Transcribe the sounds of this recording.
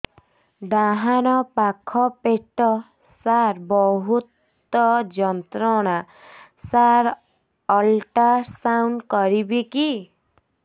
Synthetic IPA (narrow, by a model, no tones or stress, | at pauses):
d̪aɦanɔpakʰɔpeʈɔ | saɾbɔɦut̪ | ɔd͡ʒɔnt̪ɾɔɽ̃a | saɾ | ɔlʈasawnɖkɔɾibiki